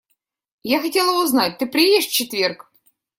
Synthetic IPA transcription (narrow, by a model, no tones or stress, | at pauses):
jaxɐtʲe̞lˠəbʊznatʲt̪ɨpɾʲɪjeɪʂft͡ɕɪt̪vʲerk